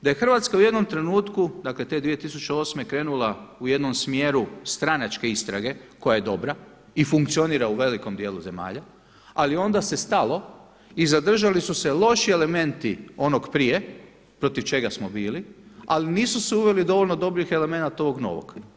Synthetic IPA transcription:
d̪aje̞xr̩ʋat̪skauje̞d̪no̞mt̪ɾe̞nuːt̪kud̪akle̞t̪e̞d̪ʋije̞t̪isut͡ʃeo̞ːsme̞kɾe̞ːnulauje̞d̪nomsmje̞ːɾust̪ɾanat͡ʃke̞ist̪ɾaɡe̞ko̞jaje̞d̪o̞bɾa | ifuŋk̚t̪sio̞niːɾauʋe̞liko̞md̪je̞ːlˠuze̞ma̰ːʎa | alio̞nd̪ase̞st̪alo̞ | izad̪r̩ʒalisuse̞lo̞ʃie̞le̞me̞nt̪io̞noɡpɾije̞ | pɾo̞t̪iʋt͡ʃe̞ɡasmo̞biːlia̰liniːsuseuʋe̞lid̪o̞ʋoʎʲno̞d̪o̞bɾixe̞le̞me̞nat̪o̞ʋo̞ɡno̰ːʋo̰ɡ̥

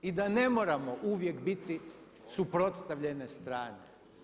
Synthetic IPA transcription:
id̪ane̞moːɾamoʔuʋje̞kbit̪i | supɾo̞t̪st̪aʋʎe̞nest̪ɾaːnḛ

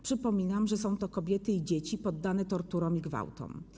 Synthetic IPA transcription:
pʂɘpɔmʲinamʐɛsɔ̃w̃t̪ɔkɔbʲjɛt̪ɘid͡ʑet͡ɕipɔd̪ːanɛt̪ɔɾt̪uɾɔ̃w̃iɡva̰wt̪ɔ̰m

